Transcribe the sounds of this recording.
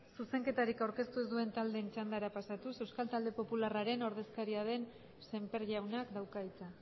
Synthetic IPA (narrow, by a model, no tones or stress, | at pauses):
suse̞ŋke̞t̪aɾikawɾke̞st̪uezd̪ue̞nt̪ald̪e̞nt͡ʃand̪aɾapasat̪use̞wskalt̪ald̪e̞po̞pularaɾe̞no̞ɾð̞e̞skaɾiað̞e̞n | se̞mpe̞ɾʝawnakd̪awkait͡sa